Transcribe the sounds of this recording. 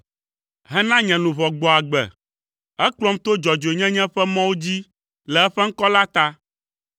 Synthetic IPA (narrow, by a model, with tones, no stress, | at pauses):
ɦɛ˦nã˦ɲɛ̃˨nũ˨vɔ˨ɡ͡bɔ˨a˨ɡ͡bɛ̰˨ | ɛ˦k͡plɔ˦mt̪o˦d͡ʒɔ˨d͡ʒo˨ɲɛ̃˦ɲɛ̃˦ɸɛ˦mɔ̃˦wo˦d͡ʑi˦ | lɛ˨ɛ˦ɸɛ˦ŋ̩˦kɔ˦la˦t̪a˦